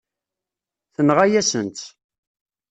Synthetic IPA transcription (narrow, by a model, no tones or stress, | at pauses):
θənʁæjæsənt̪